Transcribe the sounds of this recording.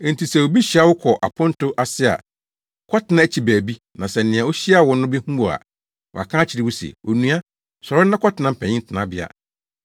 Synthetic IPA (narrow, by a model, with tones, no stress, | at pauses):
n̩˨tʰi˨sɛ˨wo˨bi˦ɕi˨a˦wʊ˦kʰɔ˨ʔa̰˨pʰʊ̃˦n˦tʊ˦ʔa˨sɪ˦a̰˨ | kʰɔ˦tʰɪ˨nã˦æ˦˨t͡ɕʰi˨bæː˨bi˦ | nã˨sɛ˨n̩˨nɪ̃˨ã˨wo˦ɕi˦a˦˨wɔ˨nʊ̃˦bɛ˦hũ˦bo˨a̰˨ | wɔ̰˨a̰˨kʰã˦t͡ɕʰɪ˨ɾɪ˦wʊ˦sɛ̰˨o˨nũ˦a˦ | sɔ˨ɾʊ˦nã˦kʰɔ˦tɪ˨˦nã˦m̩˨pʰɛ̃˨ɲɪ̃˦n̩˦tʰɪ˨nã˦bɪ˦a̰˨